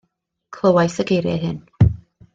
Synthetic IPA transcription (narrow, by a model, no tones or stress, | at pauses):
kʰlˠəwajsəɡejɾjɛ̰ɦɨn